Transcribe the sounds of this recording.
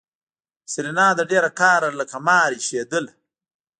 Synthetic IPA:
sɪɾinɑːd̪aɖeɾakaːɾaləkamɑːɾiʃed̪əl

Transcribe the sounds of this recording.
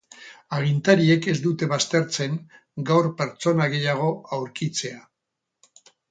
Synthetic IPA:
aɣint̪aɾie̞ke̞zd̪ut̪e̞βast̪e̞ɾt͡se̞ŋ | ɡawɾpe̞ɾt͡so̞naɣe̞jaɣ̞o̞awɾkit͡se̞a

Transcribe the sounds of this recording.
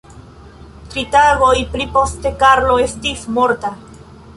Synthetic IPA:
tɾitaɡo̞jplipo̞ste̞kaɾlo̞e̞stismo̞ɾta

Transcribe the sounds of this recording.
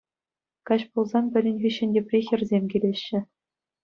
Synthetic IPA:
kɑɕpulˠzɑnpʲɘ̆rʲɘ̆nʲvʲĭɕɘ̆nʲdʲĕpʲrʲixʲɘ̆rʲzʲemʲkʲilʲeɕːɘ̆

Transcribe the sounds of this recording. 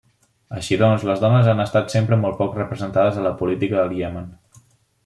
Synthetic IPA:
əʃiðɔnzləzðɔnəzanəst̪at̪sempɾəmɔlˠt̪pɔkrəpɾəzənt̪aðəzələpulit̪ikəðəlˠɣiɛmən

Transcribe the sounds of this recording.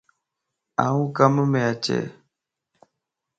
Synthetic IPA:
awukaməmɛat͡ʃɛ̰

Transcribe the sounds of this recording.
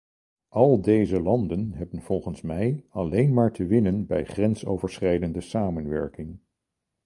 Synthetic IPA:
ʔɑlˠdejzəlɑndənɦɛbənv̥ɔlˠχənsmɛjɑlejnmaːɹtəʋɪnənbɛjχrɛnso̰wvəɹsχrɛjdəndəsaːmənʋɛɹkɪŋ

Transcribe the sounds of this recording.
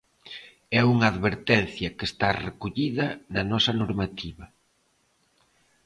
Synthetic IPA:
ɛuŋɐaːðβeɾt̪ɛn̟θjɐkest̪arekuʎiðɐnɐnɔsɐnoɾmat̪iβɐ

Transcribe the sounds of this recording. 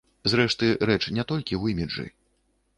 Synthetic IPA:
zɾɛʂt̪ɨɾɛt͡ʂnʲɛt̪ɔlʲkʲiwimʲid͡ʐɨ̰

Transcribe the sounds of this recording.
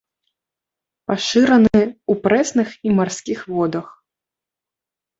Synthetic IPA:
paʂɨɾɐnɨupɾɛsnɨximarsʲkʲixvɔd̪ɐx

